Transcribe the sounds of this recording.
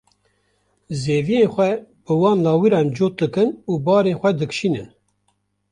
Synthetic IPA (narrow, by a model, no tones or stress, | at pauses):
zeːvijenxʷɛb̥ɨwɑːnlɑːwiɾɑːnd͡ʒoːt̪̚d̪ɨkɨnuːbɑːɾeːnxʷɛd̪ɨkʃiːnɨ̰n